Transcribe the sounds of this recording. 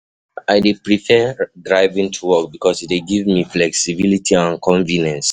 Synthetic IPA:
aɪdepɹifɛdɹaɪvĩŋtʰuwɔk̚bikʰɔsiteɡivmiflɛksibilitʰiãnkʰɔ̃ɱvinɛ̃ns

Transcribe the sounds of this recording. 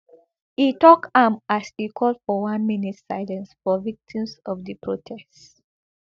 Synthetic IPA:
itɔkãmasikʰɔldfɔwãnminitsaɪlɛ̃nsfɔvik̚tʰĩmsɔvdipʰɹotʰɛst

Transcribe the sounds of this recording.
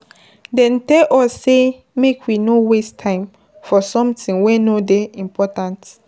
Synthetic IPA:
dɛ̃ntɛlʔɔsːe | mekʰwinowestʰãɪ̃m | fɔsɔ̃mtĩŋwɛ̃nodeĩmpʰɔtãnt

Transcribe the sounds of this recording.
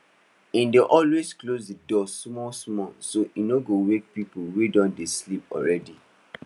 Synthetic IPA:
ĩndeʔɔlwesklosdidɔsmɔsmɔsoinoɡowek̚pipulwedɔ̃ndeslipɔ̰ɹɛdi

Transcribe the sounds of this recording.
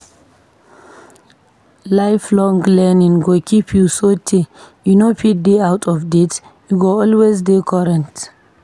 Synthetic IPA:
lajflɔ̃ŋɡlɛnĩŋɡokʰipʰjusotʰejunopʰit̚d̪eawtʰɔvdet | juɡoɔlwezdekʰɔɾɛ̃nt

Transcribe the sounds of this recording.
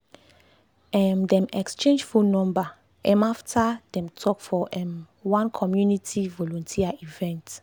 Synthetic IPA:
ɛmdɛ̃mɛkst͡ʃẽnd͡ʒfulnɔ̃mba | ʔɛ̃maftʰad̥ɛ̃mtʰɔkfɔʔɛ̃m | wãnkʰɔmjunitʰivɔlɔ̃ntʰiaivɛ̃nt

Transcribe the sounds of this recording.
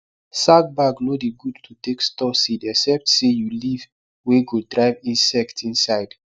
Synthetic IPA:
saɡ̚baɡnodiɡudtʰutekstɔsidɛksɛp̚tsejuliv | weɡodɹaɪvĩnsɛktʰĩnsaɪd

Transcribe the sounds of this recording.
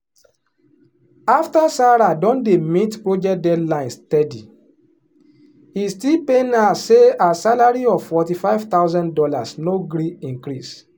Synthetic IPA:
aftasaɾadɔ̃ndemitpɹod͡ʒɛt̚dɛdlãɪ̃nstɛdḭ | istilpenaseasalaɾiɔv̥fɔtifaɪv̥t̪aʊzãndɔla̰snoɡɾiĩŋkɾis

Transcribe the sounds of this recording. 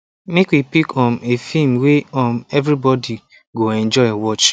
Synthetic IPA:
mekwipikʰɔ̃nefĩmweɔ̃mɛvɾibɔdi | ɡoɛ̃nd͡ʒɔɪewɔt͡ʃ

